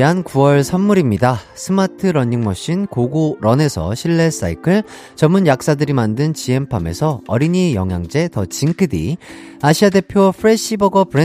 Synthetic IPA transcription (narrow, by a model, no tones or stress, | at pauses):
ankuwʌɭsʰamːuɾimɲida | sʰɯmatʰɯɾʌɲːiŋmʌɕ͈inkoɡoɾʌne̞sʰʌ̰ɕʰiɭːe̞s͈a̰ikʰɯɭ | t͡ɕʌmːunjak̚s͈adɯɾimandɯnt͡ɕie̞mpʰame̞̰sʰʌʌ̰ɾiɲijʌŋja̰ŋd͡ʑe̞tʌt͡ɕiŋkʰɯdḭ | aɕʰiade̞pʰjopʰɯɾeɕ͈ibʌɡʌpɯɾe